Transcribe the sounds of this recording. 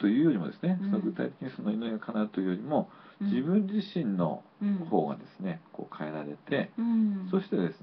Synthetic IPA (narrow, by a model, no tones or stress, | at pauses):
t̪o̞jɯ̟ːjo̞ɾʲimo̞d̪e̞sɨnesonoɡɯ̟t̪ait̪ekʲiɲ̟isonːoinoiɡakʰanaɯt̪ojɯ̟jo̞ɾʲimo̞ | d͡ʑibɯ̟̃ɲ̟d͡ʑiɕĩnːo̞̰ho̞ːɡa̰d̪e̞sɨ̥ne̞ko̞̰ːkʰae̞ɾaɾe̞t̪ʰe̞so̞ɕi̥t̪e̞d̪e̞sɨ